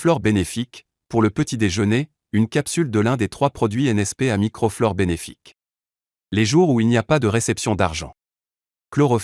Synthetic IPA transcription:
flɔʁbenefik | puʁləpət̪id̪eʒəne | ynkʲapsyld̪əlɛ̃d̪et̪χwapχɔd̪ɥiɛnɛspeamikχɔflɔʁbenefḭk | leʒuʁuilniapad̪əʁesɛpsjɔ̃d̪aʁʒɑ̰̃ | klɔʁɔ

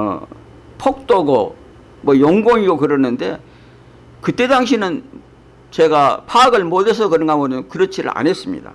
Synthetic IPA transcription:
pʰok̚t͈oɡo | mwʌjoŋɡoŋiɡokɯɾʌnːɯnde̞̰ | kɯt͈e̞daŋɕ̬ʰinɯn | t͡ɕe̞ɡapʰaːɡɯɭmodes̬ʰʌkɯɾɯŋɡamonkɯɾʌt͡ɕʰiɾɯ̰ɭa̰nɦes͈ɯmɲḭda̰

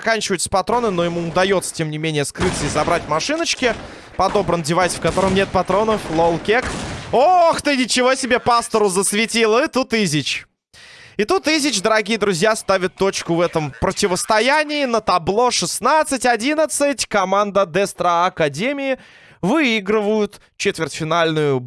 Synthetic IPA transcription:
kanʲt͡ɕɪvəɪt̪sə̥pɐt̪ɾo̞nɨno̞jɪmuʊd̪ɐjo̞t̪sə̥tʲe̞mnʲɪmʲenʲɪjəskɾɨt̪səizɐbɾatʲmɐʂɨnət͡ɕkʲɪ | pɐd̪o̞bɾəndʲɪvajsʲfkɐt̪o̞ɾəmnʲe̞t̪̚pɐt̪ɾo̞nəflˠolˠkʲekoxt̪ɨnʲɪt͡ɕɪvo̞sʲɪbʲe̞past̪əɾʊzəsvʲɪtʲilˠɨt̪ut̪ɨzʲɪt͡ɕ | ɪt̪ut̪izʲɪt͡ɕd̪əɾɐɡʲijəd̪ɾʊzʲjast̪avʲɪt̪ːo̞t͡ɕkʊvɛt̪əmpɾətʲɪvəst̪ɐjænʲɪːnət̪ɐblˠo̞ʂɨsnat̪sɨtʲɐdʲinət̪sɨtʲkɐmand̪əd̪ɛst̪ɾəɐkɐdʲemʲɪɪ | vɨiɡɾɨvəjʊt̪ | t͡ɕet̪vʲɪrʲtʲfʲɪnalʲnʊjʊ

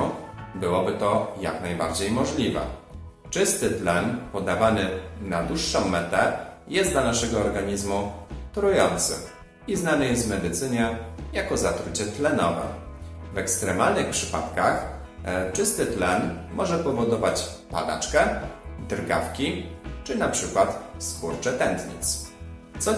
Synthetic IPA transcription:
bɘwɔbɘt̪ɔja̰knajba̰ɾd͡ʑejmɔʐlʲivɛ̰ | t͡ʂɘst̪ɘt̪lɛnpɔd̪avanɘnad̪wuʂːɔ̃w̃ːɛt̪ɛjɛst̪d̪lanaʂɛɡɔːɾɡaɲizmut̪ɾujɔnt̪sɘ̰ | iznanɘjɛst̪vmɛd̪ɘt̪sɘɲɛjakɔzat̪ɾut͡ɕɛt̪lɛnɔvɛ̰vɛkst̪ɾɛmalnɘxpʂɘpa̰t̪kax | t͡ʂɘst̪ɘt̪lɛnmɔʐɛpɔvɔd̪ɔvat͡ɕpa̰d̪a̰t͡ʂkɛd̪ɾɡa̰fkʲit͡ʂɘnapʂɘkwat̪spuɾt͡ʂɛt̪ɛnt̪ɲḭt̪st̪sɔ

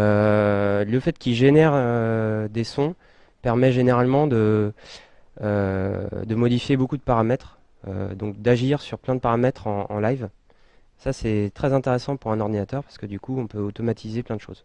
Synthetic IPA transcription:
ø | ləfɛt̪kʲilʒenɛʁød̪esɔ̃ | pɛʁmɛʒeneʁalmɑ̃d̪ə | ø | d̪əmɔd̪ifjebokud̪əpaʁamɛt̪χ | ø̰d̪ɔ̃kd̪aʒiʁsyʁplɛ̃d̪əpaʁamɛt̪χɑ̃ɑ̰̃lajv | sasɛt̪χɛzɛ̃t̪eʁesɑ̃puʁɛ̃nɔʁd̪inat̪œʁpaʁ̥sə̥kəd̪ykuɔ̃pøot̪ɔmat̪ʰizeplɛ̃d̪əʃo̰z̥

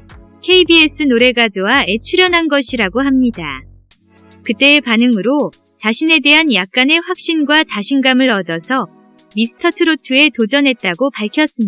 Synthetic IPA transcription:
kʰe̞ibies͈ɯnoɾe̞ɡad͡ʑowae̞t͡ɕʰuɾjʌnɦanɡʌɕʰiɾaɡoɦamɲida | kɯt͈e̞ːpanɯŋɯɾo | t͡ɕaɕʰine̞de̞ɦanjak̚k͈ane̞ɸwak̚ɕ͈inɡwat͡ɕaɕʰinɡamɯɾʌdʌsʰʌ | misʰɯ̥tʰʌtʰɯɾotʰɯe̞tod͡ʑʌnɦe̞t̚t͈aɡopaɭkʰjʌs͈ɯmɲi

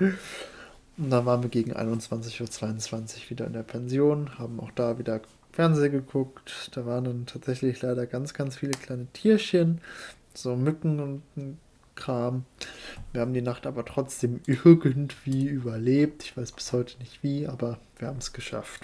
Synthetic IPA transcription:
ʊntd̥anvaːʁənviːɐɡeːɡŋ̩ʔa̰ɪnʊnt͡sv̥ant͡sɪçuːɐt͡sv̥aɪʊnt͡sv̥ant͡sɪçv̥iːdɐɪ̰ndeːɐpʰɛnzjoːnhaːbm̩a̰ʊxd̥aːviːdɐ | fɛɐnzeːɡəkʰʊktd̥aːvaːʁəndantʰaːtz̥ɛçlɪçlaɪɾɐɡant͡sɡ̥ansfiːləkl̥aɪnətʰiːɐçən | z̥oːmʏkŋ̩ʊnt | kʁ̥aːmv̥iːɐhaːbm̩diːnaχtʔaːbɐtʁ̥ɔt͡sd̥eːmʔɪɐɡəntv̥iːʔyːbɐleːp̚tɪçv̥aɪsb̥ɪ̥shɔʏtʰə̥nɪçtv̥iːʔaːbɐviːɐhaːbm̩sɡ̥əʃa̰ft

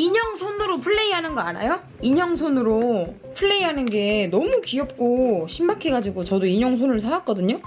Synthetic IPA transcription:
iɲʌŋsʰonɯɾopʰɯɭːe̞iɦanɯnɡʌana̰jo | iɲʌŋsʰonɯɾo | pʰɯɭːe̞iɦanɯnɡe̞nʌmukiʌp̚k͈oɕʰimbakʰeɡad͡ʑiɡot͡ɕʌdoiɲʌŋsʰonɯɭsʰaak͈ʌdɯɲo

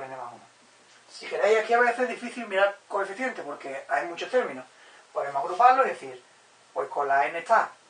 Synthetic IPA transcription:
eneβa̰n | sikeɾejakeaβeθezðifiθilmiɾaɾko̞efiθje̞nt̪epo̞ɾke̞ajmut͡ʃo̞ht̪e̞ɾmĩno̞ | poðemohaɣɾupaloiðeθiɾ | pwe̞hko̞laenet̪ʰa

